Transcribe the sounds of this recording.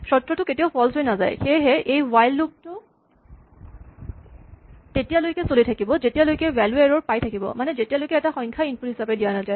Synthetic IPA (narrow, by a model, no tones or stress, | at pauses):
sɔtɹɔtʊketijaʊpʰɔlsojnaza̰jxeɦɛʔejwajlːuk̚tʊ | tetijalojkɛsolitʰakibɔzetijalojkɛwɛlweɹɔɹpajtʰakibɔ̰manɛzetijalojkɛɛtaxɔjŋkʰainpulɦisapedijanata